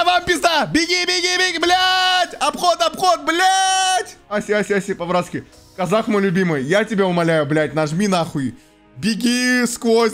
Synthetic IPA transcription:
vampʲɪzd̪abʲɪɡʲibʲɪɡʲibʲɪɡʲblʲætʲɐbxot̪ɐbxot̪̚blʲatʲasʲasʲasʲipɐbɾat̪skʲɪ | kɐzaxmojlʲʊbʲimɨjjatʲɪbʲeʊmɐlʲæjʊblʲæt̚ʲnɐʐmʲinaxʊi | bʲɪɡʲiskvosʲ

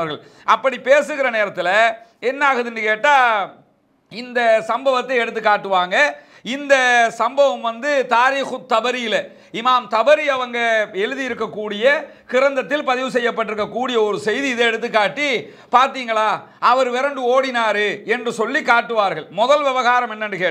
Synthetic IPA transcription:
ɾɣɐɭ | ʔɐpːɐɽipeːsɯɣɪɾɐneːɾɐt̪ːɪlɐɛnːaːɣɐðɪnɖɯkeːʈːaː | ɪnd̪ɐsɐmbɐʋɐt̪ːɐɪɛɽɯt̪ːɯkːaːʈːɯʋaːŋɡɐ | ɪnd̪ɐsɐmbɐʋɐmʋɐnd̪ɯt̪aːɾiːxɯt̪ːɐbɐɾɪjɪlɐ | ɪmaːmt̪ɐʋɐɾiɐʋɐŋɡɐɛɻɯðɪjɪɾɯkːɐkːuːɽɪjɐ | kɪɾɐnd̪ɐt̪ːɪlpɐðɪʋɯsɛjːɐp̬ːɐʈːɪɾɯkːɐkːuːɽɪjɐɔɾɯsɛjðiɪðɐɛɽɯt̪̬ːɯkːaːʈːi | paːɾt̪iːŋɡɐɭaː | ɐʋɐɾʋɛɾɐɳɖɯoːɽɪnaːɾɯɛndrɯsɔlːikaːʈːɯʋaːɾɣɐɭmɔðɐlʋɛʋɐɣaːɾɐmɛnːɐnɖɯkeː

